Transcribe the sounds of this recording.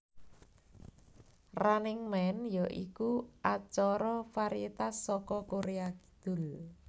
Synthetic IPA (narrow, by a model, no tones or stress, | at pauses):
ranɪŋmɛnjɔʔikuʔat͡ʃɔɾɔfaɾiet̪asːɔkɔkoɾeaki̥d̪̥ʊ̤l